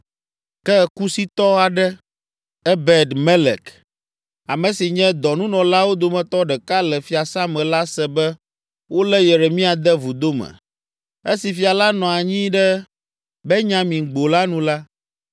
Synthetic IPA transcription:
kɛ˦˨ku˦si˦t̪ɔ˦a˨ɖɛ˦ | ɛ˦bɛ˨d̪me˦lɛ̰˨k | a˨mɛ̃˨si˨ɲɛ̃˦d̪ɔ˨nũ˦nɔ̃˨la˦wo˦d̪o˨mɛ̃˨t̪ɔ˦ɖɛ˨ka˦lɛ˨fi˨˦a˨sa˦mɛ̃˨la˦sɛ˦bɛ˦ | wo˦lɛ˦jɛ˨ɾe˨mĩ˦a˨d̪ɛ˦vu˨d̪o˦mɛ̰̃˨ | e˦si˨fi˨a˨la˦nɔ̃˨a˨ɲĩ˦ɖɛ˦ | bɛ˦ɲã˦mĩ˨ɡ͡bo˨la˦nũ˦la˦

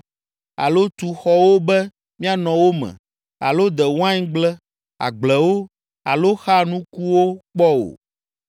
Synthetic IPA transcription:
a̰˨lo˦t̪u˨xɔ˦wo˦bɛ˦ | mĩ˦a˨nɔ̃˨wo˦mɛ̰̃˨ | a̰˨lo˦d̪ɛ˨w̃ã˦ɲ˦ɡ͡blɛ˦ | a̰˨ɡ͡blɛ˨wo˦ | a˨lo˦xa˦nũ˦ku˦wo˦k͡pɔ˦o̰˨

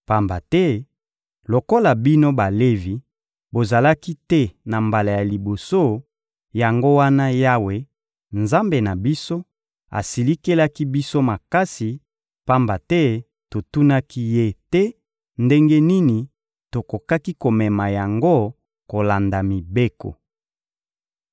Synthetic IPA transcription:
pa˦mba˨tɛ˦ | lo˨ko˦la˨bi˦no˦ba˨le˦vi˨ | bo˨za˨la˦ki˦tɛ˦na˨mba˨la˨ja˨li˨bo˨so˦ | ja˨ŋɡo˦wa˦na˦ja˦we˨ | nza˦mbe˨na˨bi˦so˦ | a̰˨si˨li˦ke˦la˦ki˦bi˦so˦ma˨ka˦si˨ | pa˦mba˨tɛ˦ | to˨tu˦na˦ki˦je˦tɛ˦ | nde˦ŋɡe˦ni˦ni˨ | to˨ko˨ka˦ki˦ko˨mɛ˨ma˨ja˨ŋɡo˦ | ko˨la˨nda˨mi˨be˦ko̰˨

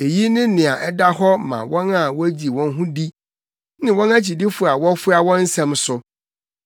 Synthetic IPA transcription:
e˨ji˦nɪ̃˦nɪ̃˨a˨ʔɛ˦da˦ɦɔ˦mã̰˨wɔ̃˦na˦wɔ˦æ˦d͡ʑi˨wɔ̃˦n˦ɦʊ̃˦di˦ | nɪ̃˨wɔ̃˦na˦t͡ɕʰi˨di˦fʊ˨a˨wɔ˦fʊ˦a˨wɔ̃˦n̩˦sɛ̃˦msʊ˦

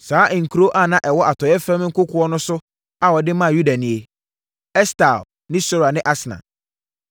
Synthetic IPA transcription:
saː˨˦ʔŋ̩˨kʰu˨ɾo˦ʔa˦˨nã˦˨ʔɛ˨wɔ˦ʔa˨tʰɔ˨jɛ˦fɾɛ̃˦m˦ŋ̩˦kʊ˦kʰʊ˦ɔ˦nʊ̃˦sʊ˦ | a˦wɔ˨dɪ˦mã˦˨ju˦da˨nĩ˨e˨ | ɛ˦sta˨l | nɪ̃˦sɔ˦ɾa˨nɪ̃˦ʔa˦sɪ˨nã̰˨

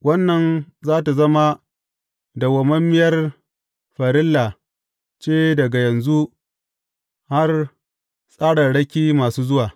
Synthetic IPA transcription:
wɐ˦nːɐ˨nzaː˦ta˨zɐ˦ma˦ | da˨wɐ˨mɐ˦mːɪ˦jɐ˦r | ɸa˨ɾɪ˦lːa˨ | t͡ʃeː˦dɐ˨ɡa˨jɐ˨nzu˦ | ha˦r | sʼaː˦ɽɐ˨rɽɐ˦kʲiː˦maː˨suː˦zʊ˦waː˨

